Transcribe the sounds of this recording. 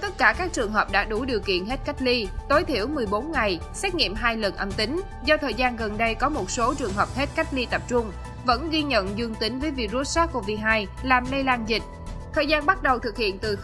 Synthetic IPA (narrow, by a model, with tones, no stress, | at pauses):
t̪ə˦˥t̚kaː˧˩kaː˦˥k̚t͡ɕɨ˨˩əŋɦəː˨˩p̚ɗa̰ː˧˥ɗu˧˩ɗi˨˩əwkḭ˧˨ənɦe˦˥t̚ka˦˥jk̟̚li˧t̪o˨˦jt̪ʰi˧˩əwmɨ˨˩əjɓo˨˦nŋa˨˩j | sɛ˦˥t̚ŋḭ˧˨əmɦaː˧jlə˨˩nʔə˧mt̪ï˨˦ŋ̟ | zɔ˧t̪ʰəː˨˩jzaː˧nɣə˨˩nɗə˧jkɔ˨˦mo˨˩t̚so˨˦t͡ɕɨ˨˩əŋɦəː˨˩p̚he˦˥t̚ka˦˥jk̟̚li˧t̪ə˨˩p̚t͡ɕʊ˧ŋ͡m | və̰˧˥nɣi˧ɲə̰˧˨nzɨ˧əŋt̪ï˨˦ŋ̟vəː˨˦jvḭ˧˩zu˧t̚saː˦˥ku˧˩əvi˨˩ɦaː˧jlaː˨˩mlə˧jlaː˧nzï˨˩k̚ | t̪ʰəː˨˩jzaː˧nɓa˦˥t̚ɗə˨˩wt̪ʰɨ˨˩k̚hḭ˧˨ənt̪ɨ˨˩